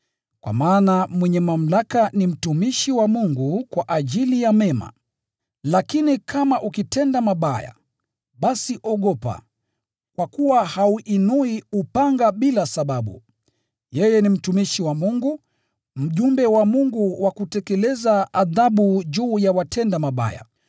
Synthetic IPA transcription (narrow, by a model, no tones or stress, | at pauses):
kwa̰maːnamwɛɲɛmam̩lakanim̩tumiʃiwamuŋɡukwaʔaʄilijamɛma̰ | lakinikʰamaʔukitɛndamaɓaja̰ | ɓasiʔɔɠɔpa̰ | kwakuwahauʔinuiupaŋɡaɓilasaɓaɓṵ | jɛjɛnim̩tumiʃiwamuŋɡu | m̩ʄumbɛwamuŋɡuwʔakutɛkɛlɛzaaðaɓuʄuːjawatɛndamaɓa̰ja̰